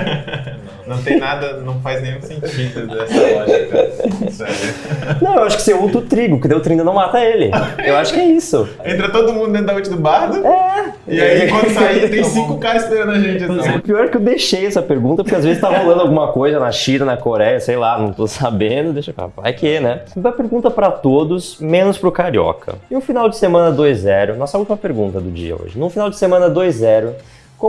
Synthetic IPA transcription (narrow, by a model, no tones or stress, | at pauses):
nɐ̃w̃t̪ẽnad̪ɐnɐ̃w̃fajznẽj̃ũsẽɲt͡ʃid̪ʊɛs | sɛ̰nɐ̃w̃ewaʃʊ̥kɪ̥seut̪ɾʊt̪ɾiɡʊkɪd̪eʊt̪ɾĩd̪ɐnɐ̃w̃mat̪ɐelɪ̰ewaʃʊ̥kɪɛisʊ | ẽnt̪ɾɐt̪od̪ʊmũd̪ʊd̪ẽt̪d̪ɐõt͡ʃɪd̪ʊbaɾd̪ʊɛ | ɪakɐ̃aĩt̪ẽj̃sĩŋkʊkaɾɪsk̪eɐ̃nɐʒẽnt͡ʃɪiʊpiɔɾɛkɪewd̪eʃejɛsɐpeɾɡũt̪ɐpoɾkeazvezɪst̪avɐholɐ̃nd̪awɡũmɐkojzɐnɐʃĩnɐnɐkoɾɛjɐsejlanɐ̃w̃t̪osabẽnd̪ʊd̪eʃɐpa̰va̰jkenɛ̃t̪ɐ̃wɐpeɾɡũnt̪ɐpɾɐt̪od̪ʊsmẽnʊspɾʊkaɾiɔ̰kʰɐ̰nʊ̃finawd͡ʒɪsemɐ̃nɐd̪ojzɛɾʊnɔsɐuwt͡ʃimɐpeɾɡũt̪ɐd̪ʊd͡ʒḭɐ̰o̰ʒɪnʊ̃finawd͡ʒɪsemɐ̃nɐd̪ojzzɛɾʊ | kõ